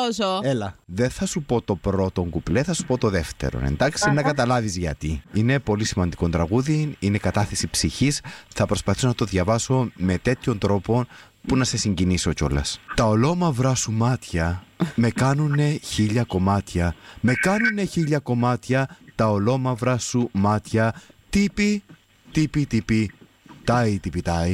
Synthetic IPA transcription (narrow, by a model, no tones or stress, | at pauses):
osoelɐðe̞nθɐsupo̞t̪o̞pɾo̞t̪o̞ŋɡupleθɐsu̥po̞t̪o̞ðe̞ft̪e̞̰ɾo̰nḛnd̪ɐksinɐkɐt̪ɐlɐvizʝɐ̰t̪iine̞po̞lisimɐnd̪iko̞nd̪ɾɐɣuðinine̞kɐt̪ɐθe̞sipsiçisθɐpɾo̞spɐθisonɐt̪o̞ðʝɐvɐso̞me̞t̪e̞t̪ço̞nd̪ɾo̞po̞n | punɐse̞siɲɟinisoco̞̰lɐ̰st̪ɐo̞lo̞mɐvɾɐsumɐt̪çɐme̞kɐnune̞çiʎɐko̞mɐt̪çɐme̞kɐnune̞çiʎɐko̞mɐt̪çɐt̪ɐolo̞mɐvɾɐsumɐt̪çɐt̪ipi | t̪ipit̪ipi | t̪ɐit̪ipit̪ɐi